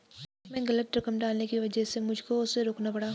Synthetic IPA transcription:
mɛ̃ːɡɐlət̪ɾɐkəmɖaːlnekiʋɐd͡ʒɛsemʊd͡ʒʱkoʊsːeɾoːknapɐɽaː

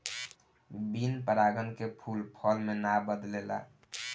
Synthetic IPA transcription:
binpəɾaɡənkepʰulpʰɔlmenabəd̪lela̰

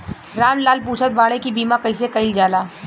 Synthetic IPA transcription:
ɾaːmlaːlpuːt͡ʃʰət̪̚baːɽekibiːmakɐɪs̬ekɐɪld͡ʒaːlaː

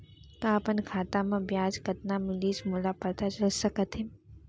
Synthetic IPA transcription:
kãːpənkʰaːt̪amẽbjaːd͡ʒkɐt̪namɪliːsmulapɐɾt̪at͡ʃɐlsɐkət̪ɦẽ

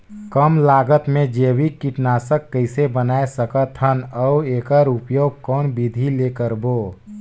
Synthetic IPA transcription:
kəmlaːɡət̪mẽd͡ʒeːwikiʈnaːsəkːəɪsebənaːesəkət̪ʰɦənəueːkəɾʊpjoːɡ̚kɔːnbid̪ʱileːkəɾboː

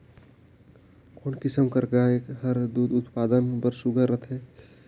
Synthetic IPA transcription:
koːnkɪsəmkəɾɡaeːkɦəɾd̪uːd̪ʊt̪paːd̪ənpəɾsʊɡʱəɾət̪ʰẽː

